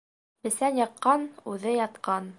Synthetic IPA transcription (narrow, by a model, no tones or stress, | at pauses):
bɘ̆sænjɑq̪̚qːɑnʉðɘjɑt̪qɑn